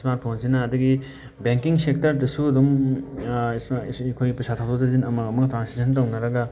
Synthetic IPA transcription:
smaɾt̚pʰonsinɐːduɡi | beŋkiŋsek̚tɐɾdɐsuɐdum | skʰojɡipɐsatʰawtʰozɐzinɐmɐɡɐmɐktɾansisʰɐntawnɐɾɐɡɐ

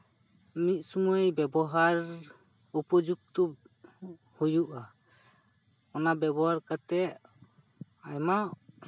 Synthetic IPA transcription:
mit̪̚sumuejbɛbɔɦaɾ | upɔd͡ʒuk̚t̪ɔ | hujuʔa | ɔnabɛbɔɦaɾkat̪ɛʔ | ajmaʔ

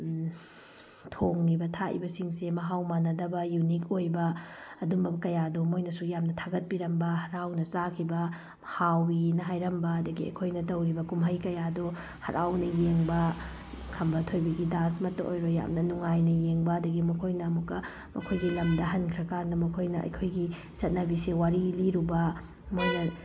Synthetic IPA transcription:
tʰoŋnibɐtʰaḭbɐsiŋsemɐɦawmanɐdɐbɐjunikojbɐːdumbɐkɐjadomojnɐsujamnɐtʰaɡɐt̚biɾɐmbɐhɐɾawnɐsakʰibɐ | hawinɐɦajɾɐmbɐːdɐɡiɐ̰kʰojnɐtɐwɾibɐkumɦɐjkɐjado | hɐ̰ɾʔa̰wnɐjeŋbɐ | kʰɐmbɐtʰojbɐɡidansmɐtːɐʔo̰jɾoja̰mnɐnuŋajnɐjeŋbɐːdɐɡimɐkʰojnɐːmukːɐ | mɐ̰kʰojɡilɐmdɐɦɐnkʰɾɐkaɾndɐmɐkʰojnɐɐ̰jkʰojɡi | sɐt̚nɐbisewaɾiliɾubɐ | mojnɐ

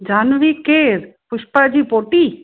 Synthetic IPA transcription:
d͡ʑanʋikeɾpuʃpad͡ʑipoʈi

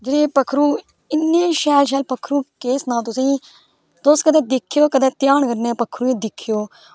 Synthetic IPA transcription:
d͡ʒɪɾeːpəkʰːɾuː | ɪnːeːʃɛːlʃ̬ɛːlpəkʰːɾũːkeːsnãːt̪̬ʊsĩː | d̪oːst̪kəd̪ɛːd̪ɪkʰːɪjoːkəd̪ɛːt̪ɪjaːɳkəɾneːpəkʰːɾuːẽːd̪ɪkʰːjoː

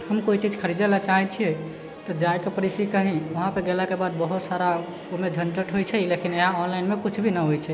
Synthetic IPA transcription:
həmkoit͡ʃid͡ʒʱkʰəɾid̪elat͡ʃaɦɛt͡ʃʰiɛ | t̪ɔd͡ʒaekepəɾisikəɦĩʋəɦãpəɡelakebad̪̚bəɦut̪saɾa | omed͡ʒʱənʈəʈɦojt͡ʃʰɛilekineɦãɔnlainmekut͡ʃʰbʱinəɦojt͡ʃʰɛ

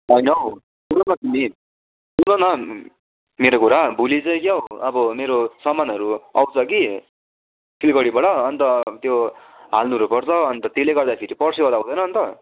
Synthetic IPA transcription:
ʌjnʌ | punʌnʌkimi | unʌnʌ | meɾokuɾabʱulit͡sʌĩkeoʌbʌmeɾosʌmːanʌɾuʌwt͡sʰʌki | pʰilkʌɽibʌɽʌːnt̪ʌt̪joɦa̰lnuɾupʌrt͡sʰʌːnt̪ʌt̪eleɡʌrd̪apʰeɾipʌrsiʌd̪aũd̪ʌjnʌːnt̪ʌ

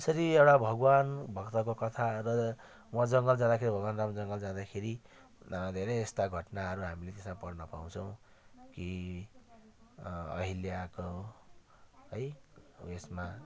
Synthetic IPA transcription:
esʌɾiewʈabʱʌɡwanbʱʌkt̪ʌkokʌt̪ʰarʌ | mʌd͡zʌŋɡʌld͡zãd̪akʰeɾibʱʌɡwanramd͡zʌŋɡʌld͡zãd̪akʰeɾi | d̪ʱeɾʌjest̪aɡʱʌʈnaɦʌɾuɦamilet̪esmapʌrnʌpa̰w̃t͡sʰʌw̃ | ki | ʌ̰ɦiljako | ɦʌjesma

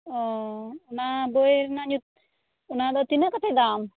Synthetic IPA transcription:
ɔunaboeɾnaɲut̪̚ | unad̪ɔt̪inakɔt̪ʰed̪am

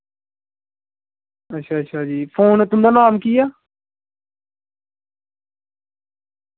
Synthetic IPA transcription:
ətːʃʰaːətːʃʰaːd͡ʒiːpʰoːnɛːt̪ʊmd̪aːnaːmkiːjaː

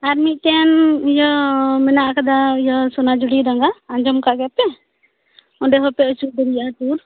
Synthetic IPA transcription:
aɾmit̪ɛnjɔmɛnaʔkad̪ajɔsɔnad͡ʒuɽiɾaŋɡaːɲd͡ʒɔmkaɡɛpɛ | ɔɳɖɛɦɔpɛət͡ʃud̪əɾijat̪uɾ

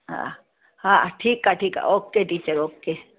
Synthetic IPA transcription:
ɦã̰ | hãʈʰiːkaʈʰiːka̰ʔoːkːeʈiːt͡ʃəɾoːkːe

